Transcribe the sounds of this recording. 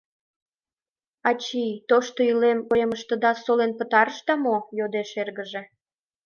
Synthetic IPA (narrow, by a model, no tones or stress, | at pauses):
ɑt͡ɕijt̪oʃt̪oilemoeməʃt̪ə̆d̪ɑsolenpət̪ɑɾəʃt̪ɑmojod̪eʃerɣəʒe